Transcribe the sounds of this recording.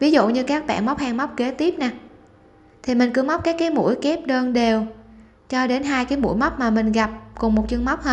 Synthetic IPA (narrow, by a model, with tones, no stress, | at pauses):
vi˨˦zṵ˧˨ɲɨ˧kaː˦˥k̚ɓa̰ː˧˨nma˦˥wk͡p̚haː˧ŋma˦˥wk͡p̚ke˨˦t̪i˦˥əp̚naː˨˩ | t̪ʰi˨˩mï˨˩ŋ̟kɨ˨˦əma˦˥k͡p̚kaː˦˥jkːaː˨˦jmṵ˧˥əjke˦˥p̚ɗəː˧nɗe˨˩w | t͡ɕɔ˧ɗe˨˦nɦaː˧jkaː˨˦jmṵ˧˥jma˦˥wk͡p̚maː˨˩mï˨˩ŋ̟ɣa˨˩p̚kʊ˨˩ŋ͡mmo˨˩t̚t͡ɕɨ˧əŋma˦˥wk͡p̚həː˧n